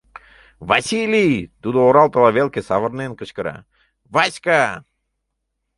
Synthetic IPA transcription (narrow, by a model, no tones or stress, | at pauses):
vasʲilʲit̪ud̪ooɾalˠt̪əlˠavʲelˠkʲesavəɾnenkəʃkəɾa̰ | vaska